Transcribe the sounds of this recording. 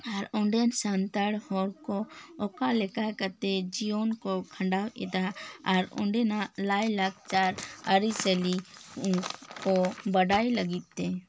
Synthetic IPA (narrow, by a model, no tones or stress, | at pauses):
aɾɔ̃ɳɖɛnsant̪əɽhɔɾkɔɔkalɛkakət̪ed͡ʒijonkɔkʰə̃ɳɖawɛd̪aaɾɔ̰̃ɳɖɛnalajlak̚ʰt͡ʃaɾəɾisəli | kɔbəɖailəɡit̪ːe